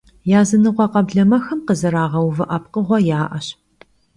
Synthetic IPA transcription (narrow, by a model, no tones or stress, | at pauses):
jaːzɨnɨqʷɔqɐbɮɐmɐxɐmqəzɨɾaːʁɐwvɨʔɐpqəʁʷɔjaːʔɐɕ